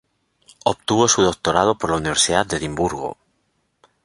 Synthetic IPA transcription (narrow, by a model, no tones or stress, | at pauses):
opt̪uβosuðo̞k̚t̪oɾað̞opoɾlauniβ̞eɾsiðad̪eðimbuɾɣo̰